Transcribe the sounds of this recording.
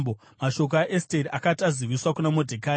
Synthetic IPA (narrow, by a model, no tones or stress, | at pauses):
bo | maʃo̞k̬aʔesteriʔakataziʋiswakunamodʱekaː